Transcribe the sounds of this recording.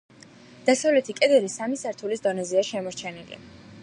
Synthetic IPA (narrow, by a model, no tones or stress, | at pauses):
d̪̥asavlɛt̪ʰikʼɛd̪ɛɾisamisaɾt̪ʰulisd̪ɔnɛziaʃɛmɔɾt͡ʃʰɛnilḭ